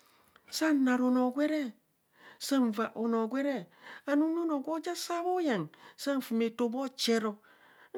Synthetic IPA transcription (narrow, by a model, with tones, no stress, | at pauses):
sa˦na˨ɾo˨no˨ɡʷwe˦ɾe˦ | sa˦n˨va˨ʔo˨no˨ɡʷe˦ɾe˦a˨nu˦no˦no˨ɡo˦d͡ʒa˦sa˦βo˦ja˨ŋsa˦n˨fi˨me˨to˨bo˦t͡ʃe˦ɾo˨